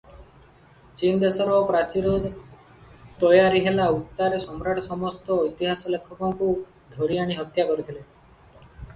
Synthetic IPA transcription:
t͡ʃind̪esɔɾɔpɾat͡ʃiɾud̪ʱ | t̪ɔjaɾiɦelaut̪ːaɾesɔmɾaʈɔsɔmɔst̪ɔːjt̪iɦasɔlekʰːɔkɔŋku | d̪ʱoɾiaɽ̃iɦɔt̪jakɔɾit̪ʰile

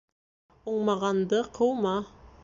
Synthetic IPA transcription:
oɴmɑʁɑnd̪əqʰɤwmɑ

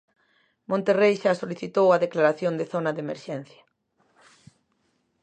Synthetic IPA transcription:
mõnt̪erejʃasoliθit̪owaðeklaɾaθjõnd̪eθonɐðemeɾʃɛn̟θjɐ

